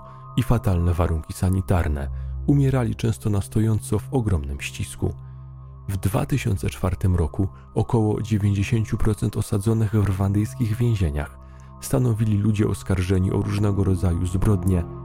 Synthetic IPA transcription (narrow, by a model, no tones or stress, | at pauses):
ifat̪alnɛvaɾuŋkʲisaɲit̪aɾnɛ̰umʲjɛɾalʲit͡ʂɛ̃w̃st̪ɔnast̪ɔjɔnt̪sɔvɔɡɾɔmnɘmɕt͡ɕiskṵ | vd̪va̰t̪ɘɕɔ̰nt̪sɛt͡ʂfaɾt̪ɘmɾɔku | ɔkɔwɔd͡ʑevʲjeɲd͡ʑeɕeɲt͡ɕupɾɔt̪sɛnt̪ɔsad̪zɔnɘɣvrvand̪ɘjskʲiɣvʲjɛ̃w̃ʑeɲa̰x | st̪anɔvʲilʲilud͡ʑɛɔskaɾʐɛɲiʔɔ̰ɾuʐnɛɡɔɾɔd̪zajuzbɾɔd̪ɲɛ